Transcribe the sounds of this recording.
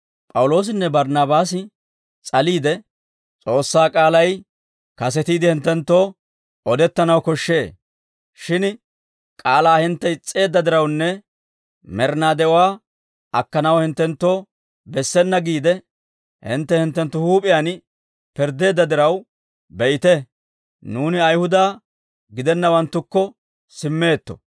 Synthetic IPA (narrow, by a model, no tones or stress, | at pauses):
pʼɐwʊlo̞ːs̬ɪnːɛbɐɾnabaːsɪ | t͡sʼɐliːd̪ɛ | t͡sʼo̞ːsːaːkʼaːlɐj | kɐsɛt̪iːd̪ɪhɪnt̪ːɛnt̪ːo̞ː | ɔd̪ɛt̪ːɐnɐwkɔʃːe̞ː | ʃɪn | kʼaːlaːhɪnt̪ːɛɪt͡sʼːe̞ːd̪ːɐd̪ɪɾɐwnːɛ | mɛɾnaːd̪ɛwaː | ɐkːɐnɐwhɪnt̪ːɛnt̪ːo̞ː | bɛsːɛnːɐɡiːd̪ɛ | hɪ̰nt̪ːɛhɪnt̪ːɛnt̪ːʊhuːpʼɪjaːn | pɪɾd̪e̞ːd̪ːɐd̪ɪɾɐw | bɛʔɪt̪ɛ | nuːnɪɐjhʊd̪aː | ɡɪd̪ɛnːɐwɐnt̪ːʊkːɔ | sɪmːe̞ːt̪ːɔ̥̰